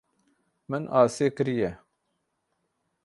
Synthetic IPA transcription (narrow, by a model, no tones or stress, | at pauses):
mɨnʔɑːseːkɨɾijɛ